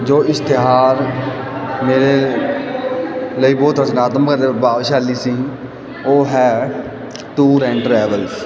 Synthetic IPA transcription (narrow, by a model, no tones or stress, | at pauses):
d͡ʒoːɪst̪ɪɦaːɾ | meːɾe | ləiːbɔːt̪ɾəd͡ʒnaːt̪əmkəɾebaːʋʃaːliːsiː | oːɦɛː | ʈuːɾɛ̃ːɳɖʈɾɛːʋəls